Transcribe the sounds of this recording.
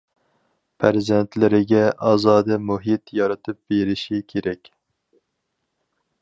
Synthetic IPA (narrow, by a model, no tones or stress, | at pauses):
pʰæɾzɛnt̪lɪɾɪɡʲɛʔɑːzɑːd̪ɨmuɦit̪jɑɾɨt̪ʰɨp̚beɾɪʃikʲʰeɾɛkʲ